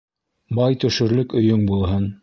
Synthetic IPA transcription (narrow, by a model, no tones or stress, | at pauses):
bɑjt̪ɵ̆ʃɵ̆ɾlɵkɵ̆jɵŋbulˠɦɤn